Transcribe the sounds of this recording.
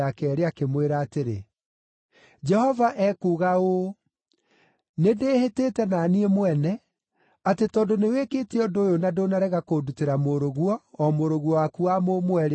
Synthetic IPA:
akɛːɾeakemweɾaːteɾḛ | d͡ʒɛhɔvaʔɛkuɣao | nedeːhetetɛnaniemwɛnɛ | atetɔndoneweketeɔdoːjonadonaɾɛɣakoduteɾamoɾoɣwɔːmoɾoɣwɔwakuamomwɛɾe

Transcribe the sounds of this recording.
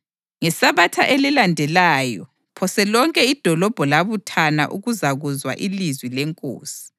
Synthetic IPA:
ŋɛsaβatʰaʔelilandʱɛlaːjɔ | pʰɔsɛlɔŋkʼɛid̥ʱɔlɔb̥ʱɔlaβutʰana̰ʔṵɣuzaɣuzwa̰ʔilizwilɛŋkʼo̰ːsi̥

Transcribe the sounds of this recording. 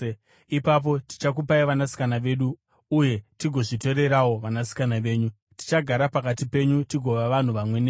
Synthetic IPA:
ipap̬o̞ti̥t͡ʃak̬upaiʋanasi̥kanaʋe̞ɗuː | je̞tiɡʱo̞ʐito̞ɾe̞ɾawo̞ʋanasi̥kanaʋe̞ːɲu | ti̥t͡ʃaɡʱaɾapakatipe̞ɲutiɡʱo̞ʋaʋan̤uʋamwe̞neː

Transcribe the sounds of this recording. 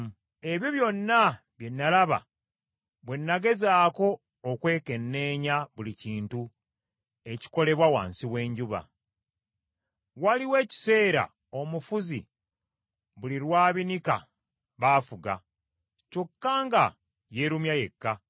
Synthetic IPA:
e̞βjoβjo̞nːa | βje̞nːalaβa̰ | βwe̞nːaɡe̞zaːko̞ː | kwe̞ːke̞nːe̞ːɲaβuliciːntu | e̞ci̥ko̞le̞βwawa̰ːnsiwe̞ːɲɟuβa̰ | waliwe̞ːci̥se̞ːɾa̰ | o̞mufuzḭ | βuliɾwaːβinika̰ | βaːfuɡa̰ | co̞kːaːŋɡa | je̞ɾumjaje̞kːa

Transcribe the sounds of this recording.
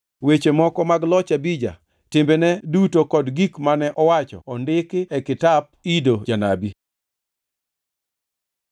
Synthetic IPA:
wet͡ʃemɔkɔmaɡlɔt͡ʃabid͡ʒa̰ | tɪmbenɛdutokɔdɡikmanɛʔɔwat͡ʃɔ̰ːndɪkɪɛkɪtab̚idod͡ʒanabi

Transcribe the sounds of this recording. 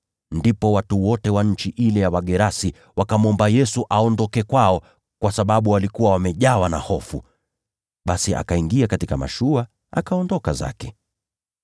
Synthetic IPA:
ndipɔwatuwɔtɛwaɲ̩t͡ʃiʔilɛjawaɠɛɾasi | wakamɔmbajɛsuʔaɔndɔkɛkwaɔ | kwasaɓaɓuwalikuwawamɛʄawana̰hɔfu | ɓasiʔa̰kaiŋɡiakatikama̰ʃua | a̰kaɔndɔkaza̰kɛ

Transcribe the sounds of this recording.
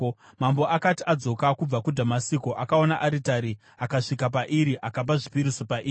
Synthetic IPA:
mamboʔakatiad͡zo̞kakub͡vakudʱamasikoʔakao̞naʔaɾitaɾi | akaʂikap̬aʔiɾiʔakap̬aʐipiɾisopaʔiː

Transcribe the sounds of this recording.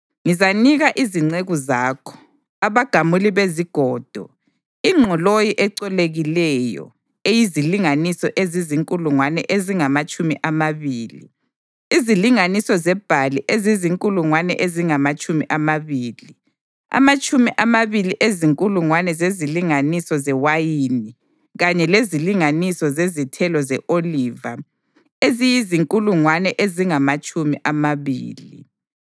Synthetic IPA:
ŋizaniɣaʔiziŋ͡ǀeɣuzaːkʰɔ̥ | aβaɡ̥ʱamuliβeziɡ̥ʱɔːd̥ʱɔ | iŋ͡ǁʱɔlojiʔɛǀɛleɣilɛjɔ̰ | ejiziliŋanisɔʔeziziŋkʼuluŋwanɛ̰ʔeziŋamat͡ʃʼumḭʔamaβiːli | iziliŋanisɔzɛb̥ʱaliʔeziziŋkʼuluŋwanɛ̰ʔeziŋamat͡ʃʼumiʔamaβiːli | a̰mat͡ʃʼumiʔamaβiliʔeziŋkʼuluŋwanɛzeziliŋanisɔzɛwajini | ɣaɲɛleziliŋanisɔzezitʰɛlɔzɛʔoliːva | ezijiziŋkʼuluŋwanɛʔeziŋamat͡ʃʼumiʔamaβiːlḭ

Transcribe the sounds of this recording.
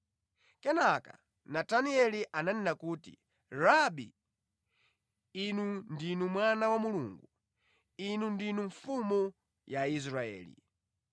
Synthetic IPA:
kɛnaka̰ | nataniɛliʔananɛnakuːtḭ | ɾabḭ | inundinumwanawamuluŋɡu | inundinuɱfumu | jaizɾaɛ̰ːlḭ

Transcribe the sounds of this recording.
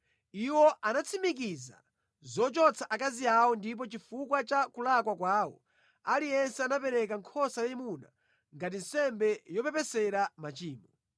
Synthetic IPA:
iwɔʔanat͡sʰimik̬iza̰ | zɔt͡ʃɔt͡sʰaʔakaziawɔndip̬ɔt͡ʃifukwat͡ʃakulakwakwaːwɔ̰ | alijɛnsɛanapɛɾɛkaŋkʰɔsajɛmuna̰ | ŋɡat̬in̩sɛmbɛjɔpɛpɛsɛɾamat͡ʃiːmɔ

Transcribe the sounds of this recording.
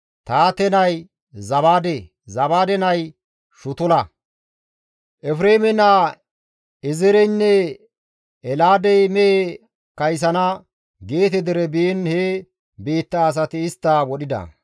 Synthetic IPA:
t̪aːt̪ɛnɐj | zɐβaːd̪e | zɐbaːd̪ɛnɐj | ʃʊt̪ʊlɐ | ʔɛfɾeːmɛna | ɪzɪɾɛnːɛ | ɛlaːd̪ɛjmɛe | kɐjs̬ɐnɐ | ɡeːt̪ɛd̪ɛɾɛbinhe | biːt̪ːɐːs̬ɐt̪ɪːst̪ːɐwɔɗɪd̪ɐ̰

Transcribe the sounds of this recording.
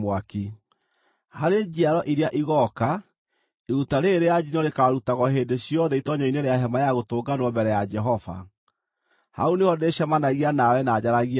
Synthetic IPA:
mwaki | haɾed͡ʑiaɾɔʔiɾeaʔiɣɔka | eɾutaɾeɾejad͡ʑinɔɾekaɾutaɣɔɦeːndeɕjɔðɛitɔɲɔineɾeaɦɛmajaɣotoːɡanwɔmbɛɾɛjad͡ʒɛɦɔva̰ | ha̰onehɔdeɕamanaɣianawɛnaːd͡ʑaɾaɣia

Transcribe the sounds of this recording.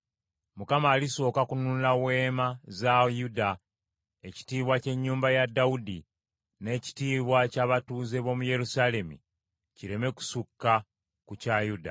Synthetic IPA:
mukamaːliso̞ːkakunulawe̞ːmazajuda | eci̥tiːβwace̞ɲːuːmbajadːaudi | ne̞ːci̥tiːβwacaβatuːze̞βo̞muje̞ɾusale̞mḭ | ciɾe̞me̞ku̥sukːa | kucajuda̰

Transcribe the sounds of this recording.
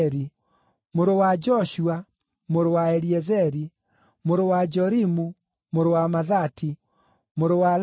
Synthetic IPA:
ɾi | moɾowad͡ʒɔʃua | moɾowaɛliɛzɛɾi | moɾowad͡ʒɔɾimu | moɾowamaðati | moɾowal

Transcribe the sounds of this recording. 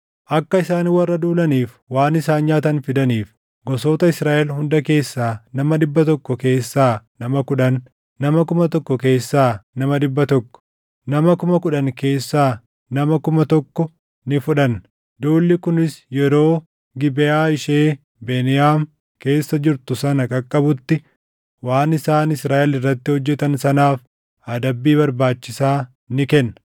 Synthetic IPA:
ʔɐkːɐɪsaːniwɐrːɐd̪uːlɐniːf | waːnɪsaːnɲaːt̪ɐnfɪd̪ɐniːf | ɡɔsoːt̪ɐɪsɾaːʔɛlhʊnd̪ɐke̞ːsːaːnɐmɐd̪ɪbːɐt̪̬ɔkːɔke̞ːsːaːnɐmɐkʊᶑɐnː | ɐmɐkʊmɐt̪ɔkːɔke̞ːsːaːnɐmɐd̪ɪbːɐt̪ɔkːɔ̥ː | ɐmɐkʊmɐkʊᶑɐnke̞ːsːaː | nɐmɐkʊmɐt̪ɔkːɔ | nɪfʊᶑɐn | d̪oːlːɪkʊnɪsjɛɾo̞ː | ɡɪbɛjaːɪʃe̞ː | beːnɪjaːm | ke̞ːsːɐd͡ʒɪɾt̪ʊsɐnɐkʼɐkʼːɐbʊt̪ːɪ | waːnɪsaːnɪsɾaːʔɛlɪrːɐt̪ːɪhɔd͡ʒːɛt̪ɐnsɐnaːf | ɐd̪ɐbːiːbɐɾbaːt͡ʃːɪsaː | nɪkɛnːɐ̥

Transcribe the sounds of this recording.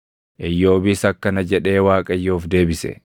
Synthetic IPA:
ʔɪjːo̞ːbiːsɐkːɐnɐd͡ʒɛᶑe̞ːwaːkʼɐjːoːfd̪e̞ːbɪsɛ̰

